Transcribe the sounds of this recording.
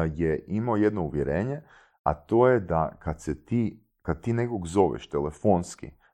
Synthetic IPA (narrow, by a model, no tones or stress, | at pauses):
jeʔimaoje̞d̪nouʋjeɾe̞ːɲe̞ | a̰t̪o̞jed̪akad̪set̪iː | kad̪̚t̪iːne̞koɡzo̞ʋḛʃt̪elefo̞nskḭ